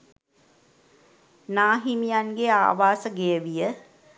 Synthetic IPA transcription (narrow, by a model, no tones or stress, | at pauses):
naːɦimijanɡea̰ːʋaːsəɡejəʋijə